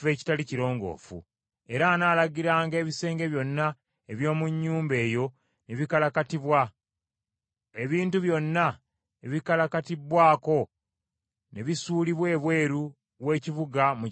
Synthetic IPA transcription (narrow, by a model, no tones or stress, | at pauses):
ve̞ːci̥taliciɾo̞ːŋɡo̞̰ːfṵ | e̞ɾaːnaːlaɡiɾaːŋɡe̞ːβise̞ːŋɡe̞βjo̞nːa | eβjo̞ːmuɲːuːmbe̞ːjo̞ | neβikalakatiβwa | e̞βiːntuβjo̞nːa | eβikalakatibːwaːko̞ | neβisuːliβwe̞ːβwe̞ːɾu | βwe̞ːciβuɡamu